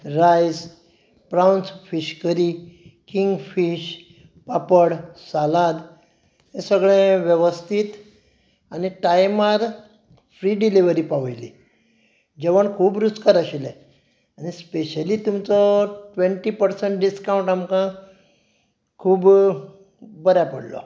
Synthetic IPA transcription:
ɾajs | pɾawnsfiɕkəɾikiŋɡfiɕ | papəɽsalad̪ | ẽsəɡɭẽʋjeʋəst̪ʰit̪ | aniʈajmaɾ | fɾiːɖiliʋəɾiːpaʋəjlḭ | d͡ʑeʋəɳkʰuːbɾut͡skaɾəɕilɛ | anispeɕəliːt̪umt͡sɔʈʋẽɳʈiːpəɾsəɳʈɖiskaũɳʈamkã | kʰuːb | bəɾjapəɽlɔ̰

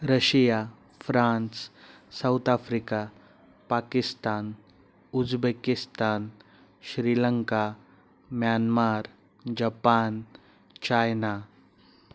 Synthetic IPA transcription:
ɾəʃija | fʰɾaːns | sawt̪aːfʰɾika | paːkɪst̪aːn | ʊzbekɪst̪aːn | ʃɾiːləŋka | mjaːnmaːɾ | d͡ʒapaːn | t͡ʃaːjna

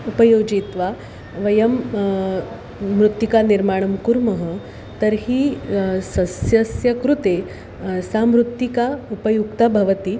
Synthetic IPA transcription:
upəjod͡ʑit̪ʋa | ʋɐjɐm | ɾut̪jikaniɾmaɽ̃ɐmkuɾmɐɦə | t̪əɾhiːsɐsjɐsjɐkɾut̪e | samɾut̪ːikaupəjukt̪abʱɐʋət̪iː

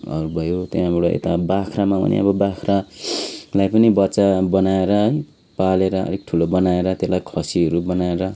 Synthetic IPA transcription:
ʌ̰ɾubʱʌjot̪eãbʌɽoḛt̪abakʰramabʱʌ̰nḭʌ̰bʌbakʰra | lajpʌnibʌtːsabʌnaeɾʌ | paleɾʌʌ̰d̪ʱek̚ʈʰulobʌnaeɾʌt̪elajkʰʌsiɦʌɾubʌnaeɾʌ

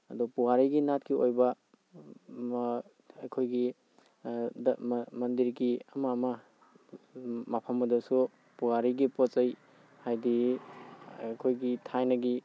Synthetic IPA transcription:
ɐdɔpuwaɾijɡinat̚kiojbɐ | ɐkʰojɡi | dmɐndiɾɡiɐmamɐ | mapʰɐmːɐdɐsu | puwaɾiɡipɔt͡ʃej | hajdi | kʰojɡitʰajnɐɡi

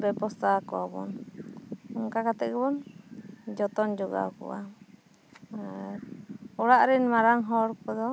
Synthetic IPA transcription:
bɛpɔsakɔabɔ̰n | ɔŋkakat̪ɛʔbɔn | d͡ʒɔt̪ɔnd͡ʒɔɡa̰kɔ̰ʔa | ɔɽaʔɾɛnmaɾaŋɦɔɾpɔd̪ɔ

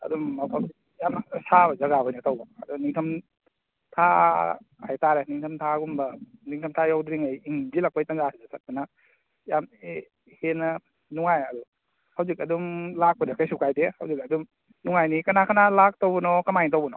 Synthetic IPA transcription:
ɐ̰dumːawkʰal | jamsabzɐɡabɔjnɐtawbaɐduniŋtʰɐm | tʰa | hajtaɾeniŋtʰɐmtʰaɡumbɐniŋtʰɐmtʰajawdɾiŋajiŋbilak̚pajtanzasʰizesat̚panɐ | jame | henɐ | nuŋajɐdu | hawzikɐdumlak̚pɐdakajsukajdeha̰wzikɐdum | nuŋajnikɐnakʰanalak̚towbɐnɔkɐmajntowbɐnɔ̰

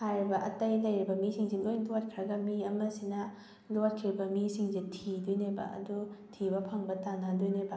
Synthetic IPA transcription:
hajɾibɐʔɐtɐjlɐjɾibɐmisiŋzinojnlot̚kʰɾɐɡɐmiɐmɐsinɐ | lot̚kʰiɾbɐmisiŋzitʰidujnebɐ̰ʔɐ̰dutʰibɐpʰɐŋbɐtanadujnebɐ

